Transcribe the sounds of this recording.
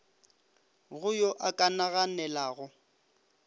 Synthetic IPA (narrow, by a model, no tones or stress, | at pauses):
ɣʊjoʔakʼanaɣanɛlaːɣʊ